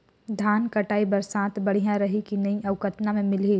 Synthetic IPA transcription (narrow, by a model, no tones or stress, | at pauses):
d̪ʱaːnkɐʈaːibɐɾsãːt̪bɐɽ̤ijãɾɐɦikinɐiʔɐʋkət̪namẽmɪleː